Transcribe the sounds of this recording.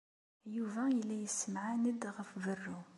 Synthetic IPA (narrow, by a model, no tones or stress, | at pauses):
juvæjəlːæjəsːəmʕanəd̪ɣəfvərːu